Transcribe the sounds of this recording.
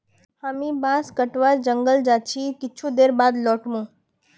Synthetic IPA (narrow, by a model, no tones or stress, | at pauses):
haːmĩbãːskəʈʋaɾd͡ʒəŋɡəld͡ʒaːt͡ʃʰikɪt͡ʃʰũd̪eːɾbaːd̪lɔːʈmũː